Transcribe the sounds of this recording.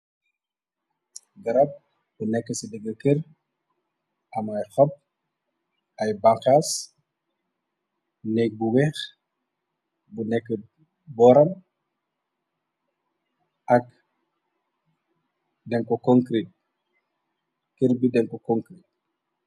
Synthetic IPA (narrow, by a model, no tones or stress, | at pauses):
ɡɐɾɐp̚ | bunɛkːəsidɛɡɐkir | ɐmɐjxɐp̚ | ɐjbaŋkaːs | nɛk̚buwɛːx | bunɛkːə | bɔːɾɐn | ʔɐk | dɛŋkɔkɔŋkɾit̚ | kirbidɛŋkɔkɔŋkɾit̚